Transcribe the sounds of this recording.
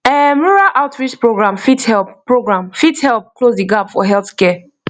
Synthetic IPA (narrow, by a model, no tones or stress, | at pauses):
ɛmuɹaʔaʊtɹit͡ʃpɹoɡɹãmfithɛlppːɹoɡɹãmfithɛlˠp̚klozdiɡabfɔɦɛlˠθkɛ